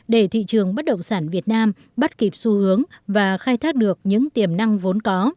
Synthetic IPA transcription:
ɗe˧˩t̪ʰḭ˧˨t͡ɕɨ˨˩əŋɓə˦˥t̚ɗə̰˧˨wŋ͡msaː˧˩nvi˨˩ət̚naː˧m | ɓə˦˥t̚ki˨˩p̚su˧hɨ˨˦əŋvaː˨˩xaː˧jt̪ʰaː˦˥k̚ɗɨ˨˩ək̚ɲɨ̰˧˥ŋt̪i˨˩əmna˧ŋvo˨˦nkɔ˨˦

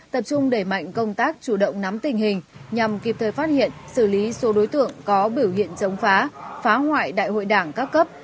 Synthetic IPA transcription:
t̪ə˨˩p̚t͡ɕʊ˧ŋ͡mɗe˧˩ma̰˧˨jŋ̟kə˧wŋ͡mt̪aː˦˥k̚t͡ɕu˧˩ɗə̰˧˨wŋ͡mna˨˦mt̪ï˨˩ŋ̟ɦï˨˩ŋ̟ɲa˨˩mki˨˩p̚t̪ʰəː˨˩jfaː˦˥t̚hḭ˧˨ənsɨ˧˩li˨˦so˨˦ɗo˨˦jt̪ɨ̰˧˨əŋkɔ˨˦ɓi˧˩əwhḭ˧˨ənt͡ɕə˨˦wŋ͡mfaː˨˦faː˨˦hwa̰ː˧˨jɗa̰ː˧˨jho̰˧˨jɗaː˧˩ŋkaː˦˥kːə˦˥p̚

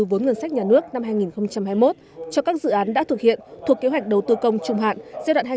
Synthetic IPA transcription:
vo˨˦nŋɨ˨˩nsa˦˥k̟̚ɲaː˨˩nɨ˦˥ək̚na˧mɦaː˧jŋi˨˩nxə˧wŋ͡mt͡ɕa˧mɦaː˧jmo˦˥t̚t͡ɕɔ˧kaː˦˥k̚zɨ̰˧˨ʔaː˨˦nɗa̰ː˧˥t̪ʰɨ˨˩k̚hḭ˧˨ənt̪ʰu˨˩əkːe˨˦wjk̟̚ɗə˨˩wt̪ɨ˧kə˧wŋ͡mt͡ɕʊ˨˩ŋ͡mɦa̰ː˧˨nza˧ɗwa̰ː˧˨nhaː˧

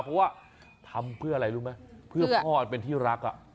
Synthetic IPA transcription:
pʰɔ˦˥waː˥˩ | t̪ʰa˧mpʰɯ˥˩əʔa˧ɾa˧jɾuː˦˥ma˦˥jpʰɯ˥˩ɐɔː˥˩ʔa˨˩pe˧nt̪ʰiː˥˩ɾa˦˥k̚ʔa̰˨˩ʔ

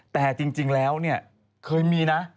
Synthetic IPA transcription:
t̪ɛː˨˩t͡ɕi˧ŋt͡ɕi˧ŋlɛː˦˥wni˥˩ɐə | kʰɤː˧jmiː˧na˦˥

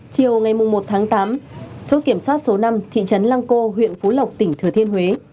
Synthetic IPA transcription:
t͡ɕi˨˩əwŋa˨˩jmʊ˨˩ŋ͡mmo˨˩t̚t̪ʰaː˨˦ŋt̪aː˨˦mt͡ɕo˨˦˥ki˧˩əmswaː˦˥t̚so˨˦na˧mt̪ʰḭ˧˨t͡ɕə˨˦nlaː˧ŋko˧ɦwḭ˧˨ənfo˨˦lə˨˩wk͡p̚t̪ï˧˩ŋ̟t̪ʰɨ˧˩ət̪ʰi˧ənhwe˨˦

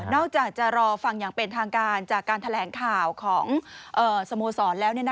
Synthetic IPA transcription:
nɔː˥˩k̚t͡ɕaː˨˩k̚t͡ɕa˨˩ɾɔː˧fa˧ŋjaː˨˩ŋpe˧nt̪ʰaː˧ŋkaː˧nt͡ɕaː˨˩kːaː˧nt̪ʰa˧lɛː˩˦ŋkʰaː˨˩wkʰɔː˩˦ŋʔɤː˨˩sa˧moː˧sɔː˩˦nlɛː˦˥wni˥˩ɐn˦˥

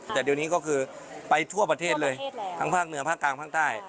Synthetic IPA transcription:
t̪ɛː˨˩di˧əniː˦˥˩kɔː˥˩kʰɯː˧ | pa˧jt̪ʰu˥˩ɐpa˧t̪ʰeː˥˩t̪̚lɤː˧j̪ʰa˦˥ŋpʰaː˥˩k̚nɯ˨˩˦ɐpʰaː˥˩kːlaː˨˩ŋpʰaː˥˩ŋt̪aː˥˩j

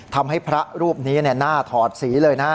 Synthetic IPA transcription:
t̪ʰa˧mɦa˥˩jpʰɾa˦˥ɾuː˥˩p̚niː˦˥ni˥˩ɐnaː˥˩t̪ʰɔː˨˩t̪̚siː˩˦lɤː˧jna˦˥

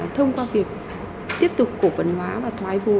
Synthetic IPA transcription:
t̪ʰə˧wŋ͡mkwaː˧vi˨˩ək̚ | t̪i˦˥əp̚t̪ʊ˨˩k͡p̚kːo˧˩və̰˨˩nhwaː˨˦vaː˨˩t̪ʰwaː˧˩jvṵ˨˩

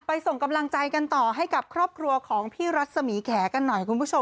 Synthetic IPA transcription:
pa˧jso˨˩ŋka˧mla˧ŋt͡ɕa˧jka˧nt̪ɔː˨˩ɦa˥˩jka˨˩p̚kʰɾɔː˥˩p̚kʰɾu˧ɐkʰɔː˩˦ŋpʰiː˥˩ɾa˦˥t̪̚sa˧miː˩˦kʰɛː˩˦ka˧nːɔ˨˩jkʰu˧npʰu˥˩o˧

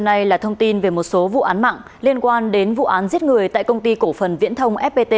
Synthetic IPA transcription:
na˧jlaː˨˩t̪ʰə˧wŋ͡mt̪i˧nve˨˩mo˨˩t̚so˨˦vṵ˧˨ʔaː˨˦nma̰ː˧˨ŋ | li˧ənkwaː˧nɗe˨˦nvṵ˧˨ʔaː˨˦nzi˦˥ət̚ŋɨ˨˩əjt̪a̰ː˧˨jkə˧wŋ͡mt̪i˧ko˧˩fə˨˩nvḭ˧˥ənt̪ʰə˧wŋ͡mʔɛ˦˥p̚ɓe˧t̪e˧

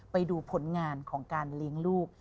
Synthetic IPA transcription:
pa˧jduː˧pʰo˩˦nŋaː˧nkʰɔː˩˦ŋkaː˧nli˦˥əŋluː˥˩k̚

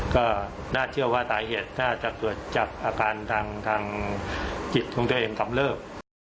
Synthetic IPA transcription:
kɔː˥˩ | naː˥˩t͡ɕʰɯ˥˩ɐwaː˥˩t̪ʰaː˩˦jɦeː˨˩t̪̚naː˥˩t͡ɕa˨˩p̪u˨˩ət̪̚t͡ɕa˨˩k̚ʔaː˧kaː˧nt̪ʰaː˧ŋt̪ʰaː˧ŋ | t͡ɕi˨˩t̪̚kʰɔː˩˦ŋt̪u˧əʔeː˧ŋka˧mlɤː˥˩p̚

